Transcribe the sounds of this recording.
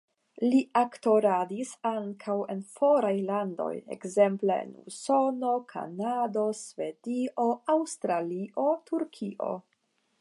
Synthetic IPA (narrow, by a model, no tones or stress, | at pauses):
liakto̞ɾadisaŋkʰawe̞nfo̞ɾajlando̞̰je̞̰kze̞mpleḛnṵso̞nokʰa̰nado̞sve̞dio̞awstɾaliʔo̞tʰuɾkʰiʔo̞̰